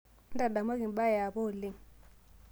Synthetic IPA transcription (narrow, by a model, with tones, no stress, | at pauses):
n̩˦da˨da˨ma˦ki˨n˨ɓa˦˨ja˨bo˦˨li˦˨ŋ